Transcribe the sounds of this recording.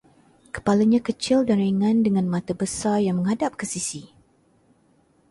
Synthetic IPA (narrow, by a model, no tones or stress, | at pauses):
kə̥palaɲãkət͡ʃɪldaɾaŋãndəŋãnmãt̪abəsarjaŋmə̃ŋɦadap̚kəsisi